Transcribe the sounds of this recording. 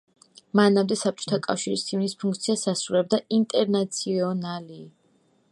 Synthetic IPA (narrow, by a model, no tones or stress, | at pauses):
manamd̪ɛsap̚t͡ʃʼɔ̥t̪ʰakʼafʃiɾist̪ʰimnispʰuŋkt̪sʰiasasɾuɾɛb̚d̪aint̪ʼɛɾnat̪sʰiɔnali